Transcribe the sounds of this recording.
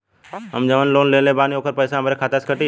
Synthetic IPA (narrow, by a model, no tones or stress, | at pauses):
ɦəmd͡ʒəʋənloːnlẽːnleːbaːnioːkʰəɾpəːsaːmbəɾeːkʰaːt̪askəʈiː